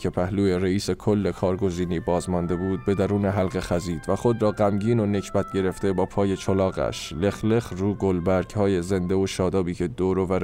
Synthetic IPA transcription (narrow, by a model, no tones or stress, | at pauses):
cʰepʰæhluːeɾeiːse̞kʰolːe̞kʰɒːɾɡo̞ziːniːbɒːzmɒnd̪e̞buːd̪̚be̞d̪æɾuːneɦælɣe̞xæziːd̪væχo̞d̪ɾɒːɢæmɟiːno̞ne̞cʰbæt̪̚ʰɟe̞ɾe̞ft̪e̞bɒːpʰɒːje̞t͡ʃʰolɒːɣæ̰ʃle̞xle̞χruːɡolbæɾɡhɒːje̞ze̞nd̪e̞oʃɒːd̪ɒːbiːcʰe̞d̪oːɾovæɾ